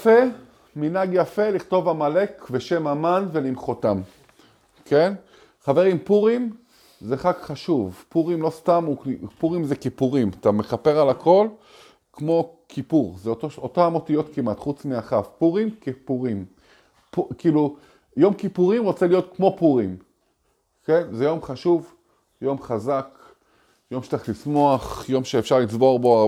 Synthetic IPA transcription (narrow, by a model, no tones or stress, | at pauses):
jfe̞ | minaɡjafe̞liχt̪o̞vamale̞kveʃe̞mamanve̞limχotam | ke̞n | χave̞ʁimpuʁim | zeχakχaʃuvpuʁimlo̞st̪amupuʁimzekipuʁimat̪ameχape̞ʁalakʰo̞l | kmo̞kʰipuʁzetoʃotoamo̞tijo̞tkimat̪χut͡smiaχafpuʁimkepuʁim | pukiːlu | jo̞mkipuʁimʁo̞t͡selijo̞t̪kmo̞puʁim | kenzejo̞mχaʃuv | jo̞mχazak | jomʃe̥taχlismo̞aχjo̞mʃeːfʃaʁlit͡sbo̞ʁbo